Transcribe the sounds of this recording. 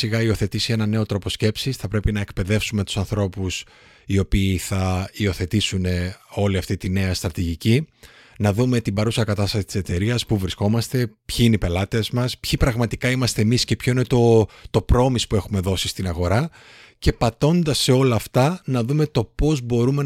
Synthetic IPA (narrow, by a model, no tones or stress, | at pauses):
siɣɐio̞θe̞t̪isie̞nɐne̞o̞t̪ɾo̞po̞sce̞psisθɐpɾe̞pinɐe̞kpe̞ðe̞fsume̞t̪u̥sɐnθɾo̞pus | io̞piːθɐio̞θe̞t̪isune̞o̞liɐft̪it̪ine̞ɐst̪ɾɐt̪iʝici | nɐðume̞t̪ibɐɾusɐkɐt̪ɐst̪ɐsit̪ise̞t̪e̞ɾiɐspuvɾisko̞mɐst̪e̞pçiineipe̞lɐt̪ezmɐspçipɾɐɣmɐt̪ikɐimɐst̪e̞ːmisce̞pço̞inet̪o̞t̪o̞pɾo̞mispue̞xume̞ðo̞sist̪inɐɣo̞ɾɐ | ce̞pɐt̪o̞nd̪ɐsːe̞o̞lɐːft̪ɐnɐðume̞t̪o̞po̞zbo̞ɾume̞